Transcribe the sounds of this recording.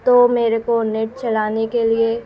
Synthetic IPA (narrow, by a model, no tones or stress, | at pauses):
t̪omeːɾekonɪʈ̚t͡ʃɐlaːnekelie